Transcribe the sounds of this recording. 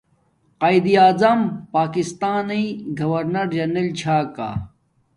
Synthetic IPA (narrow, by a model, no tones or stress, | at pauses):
qaːjd̪iaːzɐmpaːkist̪aːnɐjɡɐwɐɾnɐɾd͡ʑɐnelt͡ɕʰaːka̰